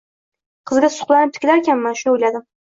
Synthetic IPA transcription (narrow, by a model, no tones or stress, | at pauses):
qʰɨzɡʲasʊ̥χlˠanɪp̚t̪ʰɪ̥kʲɪlaɾkʲʰanmanʃʊnojlad̪ɪm